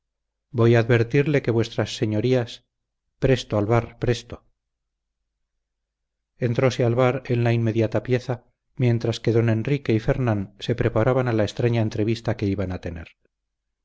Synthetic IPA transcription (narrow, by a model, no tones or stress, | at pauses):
bo̞jaːðβe̞ɾt̪iɾle̞ke̞βwe̞st̪ɾasːe̞ɲo̞ɾias | pɾe̞st̪oalβaɾpɾest̪o | e̞nt̪ɾo̞se̞alβaɾe̞nlainme̞ðjat̪apje̞θa | mje̞nt̪ɾaske̞ðo̞ne̞nrike̞ife̞ɾnanse̞pɾe̞paɾaβanalaest̪ɾaɲaent̪ɾe̞βist̪ake̞iβanat̪e̞ne̞̰ɾ